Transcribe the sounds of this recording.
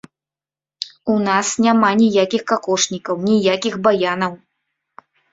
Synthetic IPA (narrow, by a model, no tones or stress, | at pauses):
unasnʲamanʲijakʲixkakɔʂnʲikɐwnʲijakʲixbajanɐw